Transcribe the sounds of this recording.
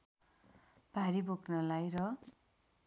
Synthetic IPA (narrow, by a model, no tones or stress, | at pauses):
b̥ʱaɾiboknʌlajrʌ